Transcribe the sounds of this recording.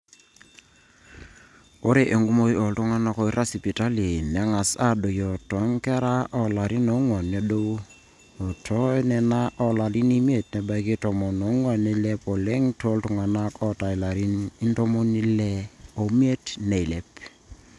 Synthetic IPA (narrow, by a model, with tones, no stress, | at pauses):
o˦ɾe˨ʔe˨ŋɡu˦mo˦jo˨ltu˦ŋa˦na˨˦kɔ˦i˦ɾʔa˦si˨pi˨ta˦li˨nɛ˨˦ŋa˨sa˦do˨jo˨tɔ˨˦ŋkɛ˦ɾa˦ʔɔ˨la˨ɾi˦no˨˦ŋwɔ˨nːe˦do˦w | o˨tʰɔ˦nɛ˨na˦ʔɔ˦la˨li˦ni˦mi˦e˨tnɛ˨ba˦i˦ki˦to˨mɔ˨no˨˦ŋwa˨ne˦le˦pɔ˨le˦ŋto˦ltu˨ŋa˨na˦kʰɔ˦ta˨i˨la˨ɾi˦ni˦nto˦mo˦ni˦le˦o˨mje˦tne˨i˨le˦p